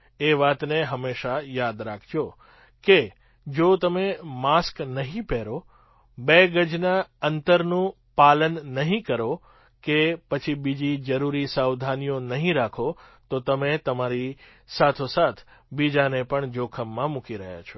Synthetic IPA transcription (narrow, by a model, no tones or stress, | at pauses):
eʋat̪neɦəmeʃajad̪ɾakʰt͡ʃʰo | ke | d͡ʒot̪əmemasknəɦĩpeɾo | beɡəd͡ʒnaənt̪əɾnũ | palənːəɦĩkəɾo | kepət͡ʃʰibid͡ʒid͡ʒəɾuɾisawd̪ʱanijonəɦĩɾakʰot̪ot̪əmet̪əmaɾi | sat̪ʰosat̪ʰbid͡ʒanepəɳd͡ʒokʰəmːãmukiɾəɦja̰t͡ʃʰo